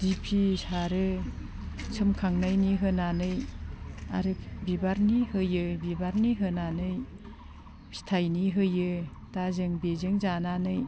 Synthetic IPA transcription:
dipʰisaɾɯ | sʰɯmkʰaŋnajniɦɯnanɯj | a̰ɾɯbibaɾnihɯjɯbibaɾniɦɯnanɯj | si̥tʰajniɦɯjɯ | tazɯŋbezɯŋzananɯj

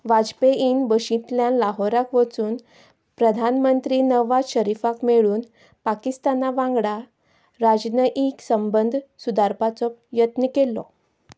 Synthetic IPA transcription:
ʋad͡zpeʔinbəɕĩt̪ljãnlaɦɔɾakʋət͡suːn | pɾəd̪ʱanmənt̪ɾiːnəʋaɕəɾifakmeɭuːn | pakist̪anaʋãŋɡɽa | ɾad͡ʑnəʔiksəmbənd̪ʱsud̪aɾpat͡sɔjət̪nəkelːɔ̰

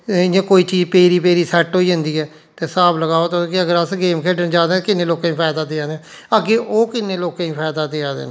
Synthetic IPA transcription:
ɪjãːkoːiːt͡ʃiːpeːɾiːpeːɾiːsɛʈɦoːiːɦə̃nd̪iːɛː | t̪eːsaːbləɡaːoːt̪okɪəɡəɾəsɡeːmkʰeːɖənd͡ʒaːd̪ẽːkɪnẽːloːkãːĩːpʰɛːd̪aːd̪eːaːd̪ẽ | əɡeːʔoːkɪnẽːloːkãːĩːpʰɛːd̪aːd̪eːaːd̪ḛːn

